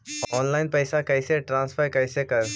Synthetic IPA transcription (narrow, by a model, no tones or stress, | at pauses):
ɔːnlaːɪnpɛːsakɐɪseʈɾãːnsfʰəɾkɐɦsekɐɾ